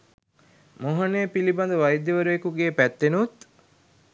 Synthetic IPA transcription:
moɦɐneːpilibɐnd̪ɐʋɐjd̪ːeʋɐɾuekuɡeːpæt̪ːenut̪

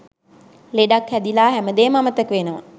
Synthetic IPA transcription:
leɖakhæd̪ilaːɦɛməd̪eːməamət̪əkʋenəʋa̰

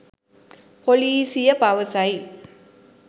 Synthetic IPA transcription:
poliːsijɐpɐʋɐsɐj

